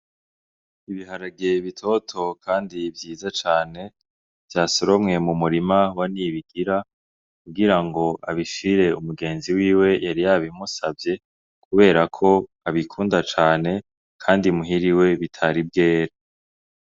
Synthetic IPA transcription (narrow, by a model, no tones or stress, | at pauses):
iβiɦaɾaɡeβitʰo̞tʰo̞kʰaːndivjiːzat͡ʃaːne̞ | v̥jaːsoɾomŋe̞mumuɾimawaniβiɡ̥iɾa | kuɡiɾaŋɡo̞aβiʃiɾe̞umuɡe̞ːnziwiːwe̞jaɾijaβimusavje̞ | kuβe̞ːɾakʰo̞ | aβikʰuːndat͡ʃaːne̞ | kʰaːndimuɦiɾiwe̞βitʰaɾib̚ɡe̞ːɾa